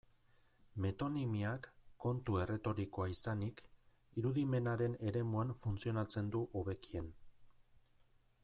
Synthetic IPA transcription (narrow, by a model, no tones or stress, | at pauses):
me̞t̪o̞nimiakːo̞nt̪ue̞re̞t̪o̞ɾiko̞aisanik | iɾuðime̞naɾe̞ne̞ɾe̞muaɱfunt͡sio̞nat͡se̞nd̪uʔoβe̞kie̞n